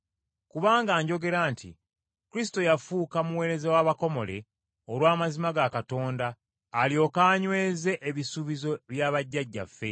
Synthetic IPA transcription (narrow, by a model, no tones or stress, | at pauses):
kuβaːŋɡaːɲɟo̞ɡe̞ɾaːntʰḭ | kuɾis̬i̥to̞jafuːkamuwe̞ːɾe̞zewaβako̞mo̞le̞̰ | olwaːmazimaɡakato̞ːndaː | ljo̞kaːɲwe̞ːze̞ʔeβisuβizo̞βjaːβaɟːaɟːa̰fːe̞